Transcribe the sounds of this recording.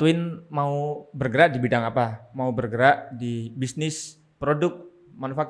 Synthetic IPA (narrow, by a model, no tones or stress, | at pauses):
t̪uɪnmaubərɡəɾaʔdibidaŋapamaubərɡəɾaʔdibisnɪs | pɾodʊk̚ | manofak